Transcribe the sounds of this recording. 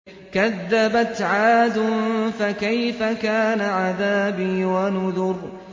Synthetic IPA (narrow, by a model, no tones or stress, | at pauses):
kaðːabat̪ʕaːd̪ʊfakajfakaːnaʕaðaːbiːwanʊðʊɾ